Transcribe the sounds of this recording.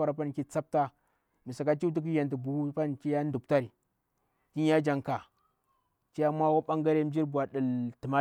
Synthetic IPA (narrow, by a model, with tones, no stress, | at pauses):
a˦ɾa˨pa˦nki˦t͡sa˦p̚ta˦ | mi˨sa˨ka˦t͡ʃi˦u˦t̬i˦k̬i˦ja˨nti˨bu˨hu˦pa˦nt͡ʃi˦ja˦ndu˨p̚ta˦ɾi˨ | ti˦a˦d͡ʒa˨ŋka˨ | t͡ʃi˦ja˦mʷ˦a˦wa˦ɓa˦ŋɡa˦ɾe˦m˦d͡ʒi˦ɾbu˨a˨ɗə˨lti˨ma˦